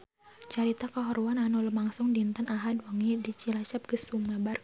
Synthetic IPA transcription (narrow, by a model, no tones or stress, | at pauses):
t͡ʃaɾit̪akaɦɔɾuananɔləmaŋsʊŋdint̪ənaɦadwɔŋidit͡ʃilat͡ʃap̚ɡ̥əsumabar